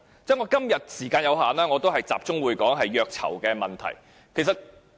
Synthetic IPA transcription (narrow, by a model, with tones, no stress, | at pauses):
t͡sɛː˥ŋɔː˨˧˥kɐ˥mjɐ˨t̚siː˨˩kaː˧njɐ˨˧wɦaː˨nlaː˥ŋɔː˨˧t̪o˥wɦɐ˨jt͡sa̰ː˨p̚t͡sʊ˥ŋwuː˨˧jkɔː˨˥ŋɦɐ˨jːœː˧k̚t͡sʰɐ̰˨˩wkɛː˧mɐ˨nt̪ʰɐ̰˨˩j | kʰe˨˩sɐ˨t̚